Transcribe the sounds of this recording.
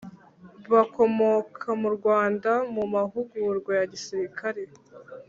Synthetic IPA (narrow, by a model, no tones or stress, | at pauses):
βako̞mo̞kʰamuɾɡwaːndamumaɦuɡuːɾɡwojaɟisiɾikʰaɾe̞